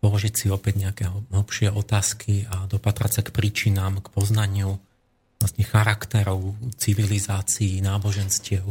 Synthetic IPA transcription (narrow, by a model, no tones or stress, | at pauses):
pɔlɔʒicsiɔpɛɟɲɛakɛɦɔɦl̩pʃɪɛɔt̪aːskʰiad̪ɔpat̪ɾa̰sakpɾiːt͡ʃinaːmkpɔznaɲɪu | lasɲɛxaɾakt̪ɛɾɔʊt͡siʋilizaːt͡siinaːbɔʒɛnscɪɛʊ